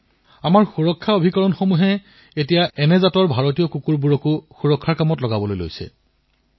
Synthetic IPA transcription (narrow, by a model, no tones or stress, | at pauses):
amaɹxuɹɔkʰːaobʱikɔɹɔnxomuɦɛ | etijaʔɛnɛzatɔɹbʱaɹotijɔkukuɹbuɹɔkuxuɹɔkʰːaɹkamɔtlɔɡabɔlojlo̰jsɛ̰